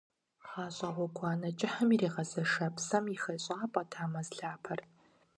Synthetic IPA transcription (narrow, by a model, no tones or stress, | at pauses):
χaːɕʼɐʁʷɔɡʷʰɑːnɐt͡ʃʼɪħɐmireːʁɐzɐʂɐpsɐmixɐɕʼaːpʼɐtʰaːmɐzɬaːpʰɐr